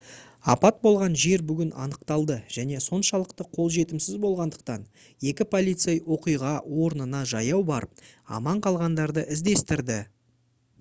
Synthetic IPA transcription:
ɑ̰pɑt̪̚bo̞lˠʁɑnʒe̞ɾbʏɡʲɪnɑ̰nəqt̪ɑlˠd̪əʒ̥æne̞so̞nʃɑlˠəqt̪əqʰo̞lˠʒe̞t̪ɪmsɪzbo̞lˠʁɑnd̪əq̚t̪ɑn | je̞kʲɪpʰo̞lʲˠijt̪sejwo̞qijʁɑwo̞ɾnənɑʒɑjɑwbɑɾəp̚ɑ̰mɑɴqʰɑlˠʁɑnd̪ɑɾd̪əʔɪzd̪e̞st̪ɪɾd̪ɪ

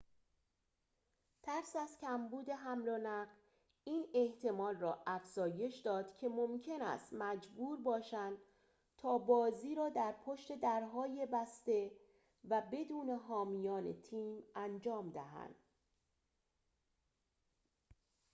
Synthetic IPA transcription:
t̪ʰæɾsæzcʲʰæmbuːd̪e̞ɦæmɾonæɢ | iːne̞ht̪ʰe̞mɒːlrɒːʔæfz̥ɒːje̞ʃd̪ɒːd̪̥cʰe̞momcʰe̞næ̰st̪mæd͡ʒbuːɾbɒːʃænd̪ | t̪ʰɒːbɒːziːɾɒːd̪æɾpʰo̞ʃt̪e̞d̪æɾɦɒːje̞bæst̪e̞ | væbe̞d̪uːne̞ɦɒːmijɒːnḛt̪ʰiːmænd͡ʒɒːmd̪æɦæ̰nd̪̥

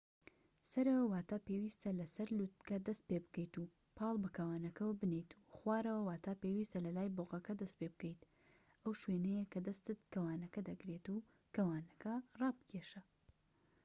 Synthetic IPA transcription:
sɐɾɐwɐwaːt̪aːpewiːst̪ɐlɐsɐɾlut̪̚kɐd̪ɐst̪̚pebɨkɐjt̪u | pʰɑːlˠbɨkʰɐwaːnɐkɐwbɨnejt̪ʰu̥χwaːɾɐwɐwaːt̪ʰaːpewist̪ɐlɐlaːjboqɐkɐd̪ɐst̪̚pebɨkɐjt̪ | ɐwʃwenɛjekʰɐd̪ɐst̪ɨt̪kɐwaːnɐkɐd̪ɐɡɾet̪u | kɐwaːnɐkɐrˤɑːbɨkʰeʃɐ

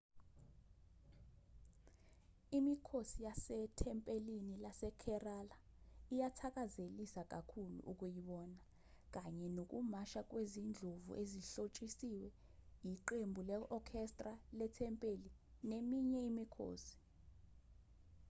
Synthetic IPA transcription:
imikʰosijasɛtʰɛmpʼelinilasɛkʰɛrala | ijatʰak̬ʼazelisak̬ʼakʰulṵʔuk̬ʼujiɓɔːna | k̬ʼaɲɛnok̬ʼumaʃak̬ʼwezind͡ɮʱovṵʔeziɬot͡ʃʼisiwɛ | jiǃembʱulɛʔɔkʰɛstʼralɛtʰɛmpʼelinemiɲɛimikʰo̰ːsi̥

